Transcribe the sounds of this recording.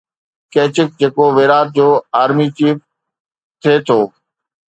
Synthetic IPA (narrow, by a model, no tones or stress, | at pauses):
keːt͡ɕɪk̚d͡ʑeːkoʋeːɾaːt̪̚d͡ʑoːaːɾmit͡ɕiːf | t̪ʰeːt̪ʰoː